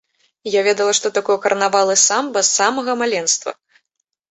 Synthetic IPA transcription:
javʲɛd̪ɐlˠɐʂt̪ɔt̪akɔjɛkɐɾɐnavalˠɨsambɐsamɐɣɐmalʲɛnst̪vɐ̰

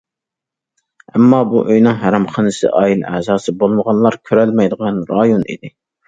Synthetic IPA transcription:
ɛmːɑbuʔøjnɨŋɦæɾɑmχənɨsɨ̰ʔɑilɛzɑːsɨbolˠməʁɑnlˠɑɾkʲʰøɾɛlmɛjd̪əʁɑnɾɑjonḭd̪ɪ

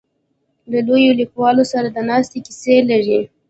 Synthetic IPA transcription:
lalojolikwɑlosaɾad̪ənɑst̪ekiselaʐi

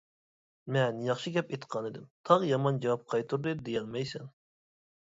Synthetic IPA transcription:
mɛnjɑχʃɨɡʲɛpet̪qʰɑnɨd̪ɪmt̪ʰɑʁjɑmɑnd͡ʒɑwɑp̚qʰɑjt̪ʰuɾd̪ɨd̪ejɛlmɛjsɛn

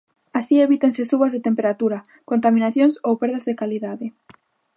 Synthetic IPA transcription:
asieβit̪ensesuβazðet̪empeɾat̪uɾa | kont̪amĩnaθjoŋsowpeɾðazðekaliðaðe

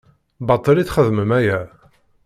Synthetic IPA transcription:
bɑt̪ˤːəlit͡sχəðməmæjæ

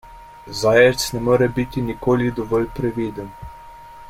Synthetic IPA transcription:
zajɛt̪snɛmɔːɾɛbit̪inikoːlid̪ɔʋɔlʲpɾɛʋiːd̪ɛn

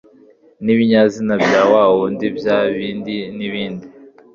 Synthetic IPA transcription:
niβiɲazinabjaːwawondibjaːβiːndiniβiːndi

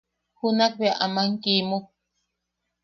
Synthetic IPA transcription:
hunak̚beaʔamaŋkimuk̚

